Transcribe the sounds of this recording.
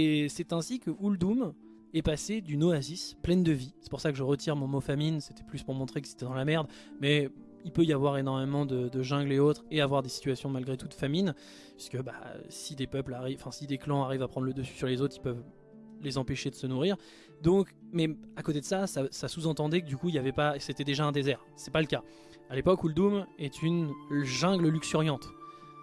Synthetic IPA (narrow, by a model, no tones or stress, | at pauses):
esɛt̪ɛ̃sikəʔuld̪um | ɛpased̪ynoazisplɛnd̪əvisɛ̥puʁsakəʒəʁət̪ʰiʁmɔ̃mofaminse̥t̪ɛ̥plyspuʁmɔ̃t̪χekəiz̥et̪ɛd̪ɑ̃lamɛʁd̪ | mɛ | ilpøijavwaʁenɔʁmemɑ̃d̪əd̪əʒɛ̃ɡleot̪χeavwaʁd̪esi̥t̪ɥasjɔ̃malɡʁet̪ut̪famin | pɥi̥skəba̰sid̪epœplaʁiɑ̃fɛ̃sid̪eklɑ̃aʁivapχɑ̃d̪ʁləd̪əsy̥syʁlezot̪χilpœv | lezɑ̃peʃed̪əsənuʁiʁ | d̪ɔ̃kmɛakot̪ed̪əsasasasuzɑ̃t̪ɑ̃d̪ɛkəd̪ykuiljavɛpaset̪ɛd̪eʒaɛ̃d̪ezɛʁ | sɛpaləka | alepɔkuld̪umɛt̪ʰynʒɛ̃ɡləlyksyʁjɑ̃t̪